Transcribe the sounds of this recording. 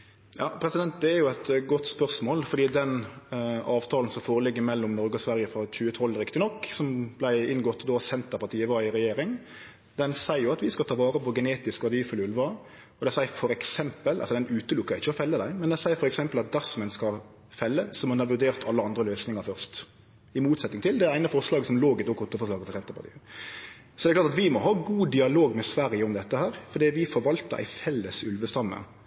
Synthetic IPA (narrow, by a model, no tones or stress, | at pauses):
jɑ̰ːpʰɾɛsɪd̪ɛnt̪̚d̪ɛæɾjʊɛt̪ɡɔt̪ːspœʁsmoːlfɔɾd̪iːd̪ɛn | ɑːʋt̪ʰɑːln̩sɔmfoːɾəlɪɡːəmɛlːɔmnɔɾɡɔsʋæɾjəfɾɑc͡çʉːət̪ʰɔlɾɪkt̪ɪnɔkːsɔmblæɪɪnɡɔt̪ːd̪ɔsɛnt̪əpʰɑt̪iːəʋɑːɪɾɛjeːɾɪŋ | d̪ɛnsæɪjʊɑt̪ʋɪskɑt̪ʰɑːʋɑːɾəpɔɡəneːt̪ɪskʋɑɾd̪iːfʉlʉlʋɑ | ɔd̪ɛæɪsæɪfɔɾɛksɛmpəlɑ̰lsɔd̪ɛnʉːt̪əlʊkːəɾɪçːəɔfɛlːəd̪æɪmɛnd̪ɛsæɪfɔɾɛksɛmpəlɑt̪̚d̪æɾsɔmɛnskɑ | fɛlːəsɔmɑnɑʋʉɖ̪eːʁt̪ʰɑlːəɑnd̪ɾəløːsnɪŋɑɾfœʁʂt̪ | ɪmuːt̪sɛt̪ɪŋt̪ɪld̪ɛɾæɪnəfɔʁʂlɑːɡsɔmloːɡɪt̪ɔkʊt̪ːəfɔʂlɑːɡəfɔsɛnt̪əpɑʁt̪ʰḭːə | sɔd̪ɛklɑɾt̪ɑt̪ʋɪmɔɦɑːɡuːd̪ɪɑloːɡmɛsʋæɾjɪəɔmd̪ɛt̪ːəhæːɾfɔd̪iːʋɪfɔɾʋɑlt̪əɾʔæ̰ɪfɛlːəsʉlʋəst̪ɑmːə̰